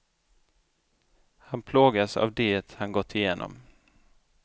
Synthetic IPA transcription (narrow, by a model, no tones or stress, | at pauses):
hanpʰloːɡasa̰vd̪eːt̪hanɡɔt̪ʰːɪjeːnʔɔ̰m